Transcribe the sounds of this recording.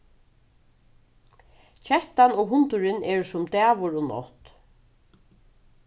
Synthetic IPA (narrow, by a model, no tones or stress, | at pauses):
t͡ʃʰɛht̪anɔɣɦʊnt̪ʊɾɪnɛɹsʊmt̪æːʋʊɾɔnɔ̰ht̪